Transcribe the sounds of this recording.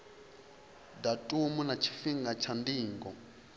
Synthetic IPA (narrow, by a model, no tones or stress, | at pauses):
datʼumunat͡ʃʰi̥fiŋɡat͡ʃʰandiːŋɡɔ